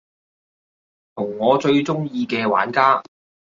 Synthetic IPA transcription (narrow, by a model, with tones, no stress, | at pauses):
t̪ʰʊ˨˩ŋːɔː˨˧t͡ʃɵ˧ɥt͡sʊ˥ŋjiː˧kɛː˧wa̰ː˨˥nkaː˥